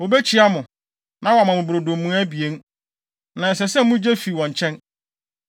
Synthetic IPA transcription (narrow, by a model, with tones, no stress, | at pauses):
wo˨be˦t͡ɕʰi˨˦a˦mʊ̃˨ | nã˦wɔ˨a˨mã˨mʊ̃˨bɾo˨dõ˨mmːũ˨˦æ˦bi˨e˦n˦ | nã˨s̬ɛ˨sɛ̃˦m˦mʊ̃˦d͡ʑe˦fi˨wɔ̃˨ɲ˨t͡ɕʰɛ̃˦n